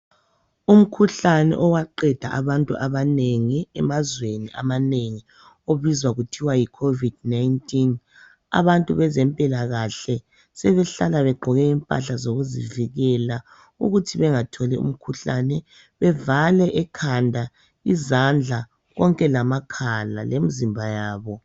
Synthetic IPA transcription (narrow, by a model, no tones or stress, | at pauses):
um̩kʰuɬanɛ̰ʔɔwaǃɛd̥ʱa̰ʔaβantʼṵʔaβaneŋiɛmazweniʔa̰maneŋi | oβizwaɣutʰiwajikʰovid̥naintʼin | a̰βantʼuβɛzɛmpʼilaɣaɬɛ | sɛβɛɬalaβɛɡ͡ǃʱɔɣɛimpʼa̰ɬazoɣuzḭviɣɛla | ṵɣutʰiβɛŋatʰɔlɛṵm̩kʰuɬa̰nɛ | βɛvalɛʔɛkʰandʱa | izand͡ɮʱa | ɣɔŋkʼɛlamakʰala̰lʔemizimbʱajaːβɔ